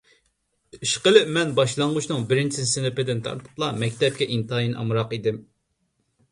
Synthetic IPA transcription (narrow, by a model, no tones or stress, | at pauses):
iʃqəlˠɪmɛnbɑʃlˠɑɴʁut͡ʃnɨŋbɪɾɪnt͡ʃʰɪsɪnɪpɪd̪ɪnt̪ʰɑ̰ɾt̪ʰʊ̥plˠɑmɛkʲt̪ʰɛp̚kʲɛʔint̪ʰɑjinʔɑ̰mɾɑqid̪ɪm